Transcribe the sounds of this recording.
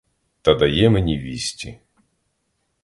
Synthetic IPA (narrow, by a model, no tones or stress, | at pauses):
t̪ɐd̪ɐjɛmenʲiʋʲisʲtʲi